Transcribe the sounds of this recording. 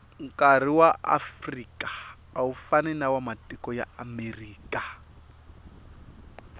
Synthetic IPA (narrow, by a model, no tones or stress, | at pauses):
ŋkʼar̤iwaʔa̰frikʼḁː | ufanɛnawamatʼikɔja̰ameriːkʼa